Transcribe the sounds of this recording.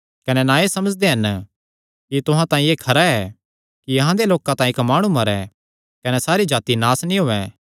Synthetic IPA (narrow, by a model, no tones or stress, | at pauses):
kɐnɛnãesɐməd͡ʒd̪eɦɐn | kit̪ʊɦãt̪ãːĩeːkʰɐɾaɛ | kijɐɦãd̪eloːkãt̪ãːĩkmaːɽ̃ũmɐɾɛ̰ | kɐnɛsaːɾid͡ʒaːt̪inaːsnĩɦoːɛ̃ː